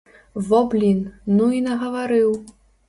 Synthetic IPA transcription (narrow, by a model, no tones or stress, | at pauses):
vɔblʲinnuinɐɣɐvaɾɨw